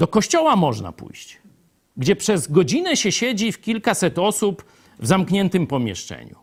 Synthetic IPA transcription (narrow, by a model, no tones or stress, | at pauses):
d̪ɔkɔɕt͡ɕɔwamɔʐna̰pṵjɕt͡ɕ | ɡd͡ʑɛpʂɛzɡɔd͡ʑinɛɕɛɕɛd͡ʑifkʲilkasɛt̪ɔsup | vzamkɲɛnt̪ɘmpɔmʲjɛ̰ʂt͡ʂɛ̰ɲṵ